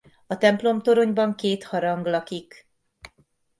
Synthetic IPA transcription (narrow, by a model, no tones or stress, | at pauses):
ɒt̪ɛmplo̞mt̪o̞ɾo̞ɲbɒŋkeːt̪hɒɾɒŋɡlɒkik